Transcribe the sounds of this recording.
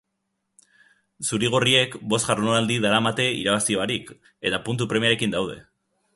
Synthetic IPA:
suɾiɣ̞orie̞kbo̞st̪ʝaɾmonald̪iðaɾamat̪e̞ḭɾaβ̞asioaɾik | e̞t̪apunt̪̬upɾe̞miaɾe̞kind̪awð̞e̞̰

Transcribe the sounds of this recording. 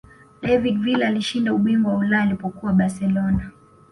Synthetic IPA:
ɗɛvidvilaaliʃindauɓiŋɡɔwaulaalipɔkuwaɓasɛlɔna

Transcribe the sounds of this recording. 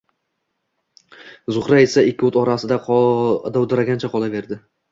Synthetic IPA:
zʊχɾae̞saɪkʲʰːʊt̪ɒɾasɪd̪aqʰd̪awd̪ɪɾaɡʲant͡ʃʰaqʰɒlˠave̞ɾd̪ɪ

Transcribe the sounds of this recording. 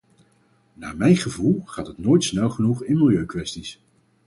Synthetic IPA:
naːmɛjχəvulˠχaːtɦətnoːjtsnɛlˠχənuχɪnmɪlˠjøɥkʋɛstis

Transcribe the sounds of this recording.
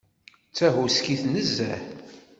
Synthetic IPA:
t͡sːæɦuskiθnəzːæ̰h

